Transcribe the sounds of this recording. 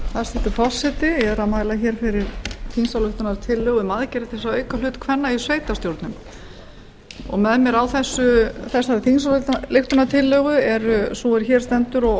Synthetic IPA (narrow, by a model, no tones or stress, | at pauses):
θast̪ɛht̪ɪ̥fɔ̥sːɛt̪ɪɛɾamaːjlaçɛːɾ̥fɪɾɪɾ̥θinsalʏht̪ʏnaɾt̪ʰɪlːœɣʏmaːðcɛːɾɪθɛsːaœːɥkalʏːt̪kʰvɛnːaisveːjt̪ast̪jowɾt̪nʏm | ɔ̰ɣmɛðmjɛɾawθɛsːʏθɛsaɾθinsallɪxt̪ʏnat̪ʰɪlːœɣʏɛɾʏsuɛɾ̥çɛːɾ̥st̪ɛnt̪ʏɾɔɣ